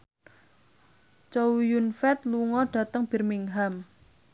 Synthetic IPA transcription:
t͡ʃowjunfɛt̪̚luŋɔɖ̥a̤t̪əŋb̥i̤rmiŋɦam

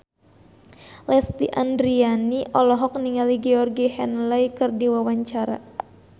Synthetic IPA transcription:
lɛst̪iʔandɾianiʔɔlɔɦɔk̚niŋaliɡɛɔrɡihɛnlajkɨrdiwawaɲt͡ʃaɾa̰

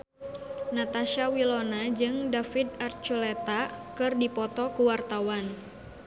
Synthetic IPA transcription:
nat̪aʃawilɔnad͡ʒɨŋdafid̪art͡ʃulɛt̪akɨrdipɔt̪ɔkuwart̪awan

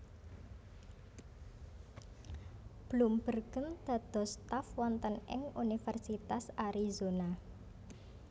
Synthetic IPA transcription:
b̥lumbərɡənd̪̥a̤d̪̥ɔ̤st̪afwɔnt̪ənɪ̰ŋunifɛrsit̪asaɾizona

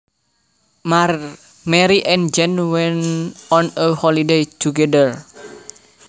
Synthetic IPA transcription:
ma | mɛɾiʔɛnd͡ʒɛnwɛnɔnəhɔlidejt͡ʃuɡɛdər

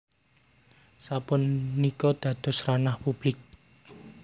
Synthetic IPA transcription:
sapʊnːikɔd̪̥ä̤d̪̥ɔ̤sranahpub̥lɪk̚

